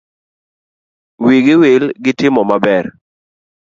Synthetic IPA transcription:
wiɡɪwelɡɪtɪmɔmabɛr

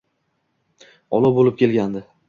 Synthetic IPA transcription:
ɒlˠɒbolɪp̚kʲʰe̞lɡʲand̪ɪ

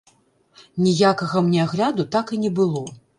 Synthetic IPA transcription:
nʲijakɐɣɐmnʲɛaɣlʲad̪ut̪akinʲɛbɨlˠɔ

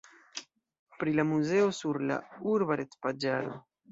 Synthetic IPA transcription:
pɾilamuze̞osuɾla̰uɾbaɾet͡spad͡ʒalo̰

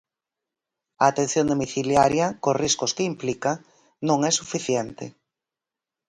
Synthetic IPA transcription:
ɐːt̪ẽn̟θjõnd̪omiθiljaɾjɐkoriskʊskɪimplikɐ | nõŋɛsufiθjɛnt̪ɪ̰

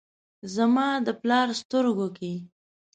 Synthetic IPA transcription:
zamɑd̪əplɑɾst̪əɾɡoke

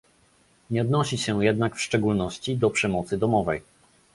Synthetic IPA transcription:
ɲɛɔd̪nɔɕiɕɛjɛd̪nakfʂt͡ʂɛɡulnɔɕt͡ɕid̪ɔpʂɛmɔt̪sɘd̪ɔmɔvɛj

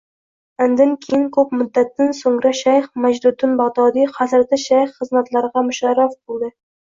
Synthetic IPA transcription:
and̪ankʲʰejɪnkʰɵpmʊd̪ːat̪ːansoŋɾaʃajχmad͡ʒd̪ʊd̪ʊnbaʁd̪ɒːd̪ijχazɾd̪aʃajχːɨzmat̪laɾɪʁɑmʊʃɑɾafbolˠd̪ɪ

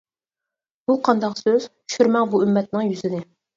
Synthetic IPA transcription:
buqʰɑnd̪ɑqsøz̥ | ʃyɾmɛŋbuymːɛt̪̚nɪŋjyzɪnɪ

